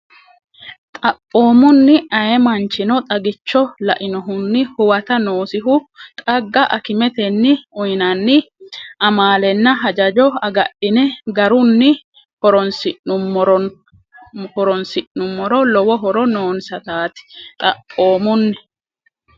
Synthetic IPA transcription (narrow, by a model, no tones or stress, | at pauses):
t̪ʼɐpːo̞ːmʊnːɪʔɐjɛmɐnt͡ʃːɪnɔt̪ʼɐɡɪt͡ʃːɔlɐʔɪnɔɦʊnːɪhʊwɐt̪ɐnoːsɪɦʊt̪ʼɐɡːɐʔɐ̰kɪmɛt̪ɛnːɪʊjɪnɐnːɪʔɐmaːlɛnːɐɦɐd͡ʒɐd͡ʒɔɐɡɐɗɪnɛɡɐɾʊnːɪ | hɔɾɔnsɪʔʊɔɾ | hɔɾɔnsɪʔːʊmːɔɾɔlɔwɔɦɔɾɔnoːnsɐt̪aːt̪ɪ̥t̪ʼɐʔʼːo̞ːmʊnːɪ